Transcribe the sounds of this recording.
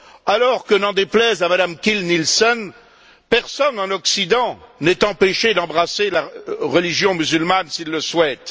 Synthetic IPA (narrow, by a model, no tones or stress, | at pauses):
alɔʁkənɑ̃d̪eplɛzamad̪amkʲilnilsɔn | pɛʁsɔnɑ̃nɔksid̪ɑ̃nɛt̪ɑ̃peʃed̪ɑ̃bʁaselaʁəliʒjɔ̃myzylmansilːəswɛt̪